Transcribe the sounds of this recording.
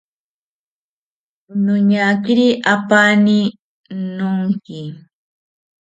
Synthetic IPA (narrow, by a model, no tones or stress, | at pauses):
ʊnʊɲakɪɾiʔapanɪ | nʊŋkɪ